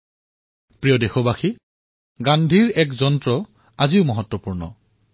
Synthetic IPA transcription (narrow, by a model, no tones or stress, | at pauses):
pɹijɔdexɔbaxi | ɡandʱiɹɛkzɔntɹɔ | aziʊmɔɦɔtːwɔpuɹnɔ̰